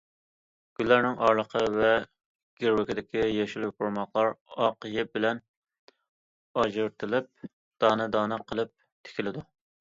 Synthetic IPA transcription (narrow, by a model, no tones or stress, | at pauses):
ɡ̥ʲylːæɾnɪŋʔɑɾlˠəqʰəvɛ | ɡ̥ʲeɾwɪkʲɪd̪ɪkʲijɛʃulpoɾmɑχlˠɑɾɑqəjɪbɪlɛn | ɑʒɨɾt̪ʰɨlˠɪp̚ | d̪̥ɑːnɨd̪ɑːnɨqʰəlˠɨp̚ | t̪ʰe̥kʲʰilɪd̪u